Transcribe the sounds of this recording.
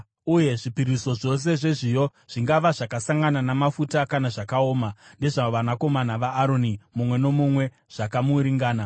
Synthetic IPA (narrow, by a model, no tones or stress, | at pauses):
uje̞ʐipiɾiso̞ʐo̞s̬e̞ʐe̞ʐijo̞ | ʐ̥iŋɡaʋaʐakasaŋɡananamafutakanaʐakaoːmande̞ʐaʋanako̞manaʋaːɾo̞nimumwe̞no̞mumwe̞ | ʐ̥akamuːɾiŋɡaːna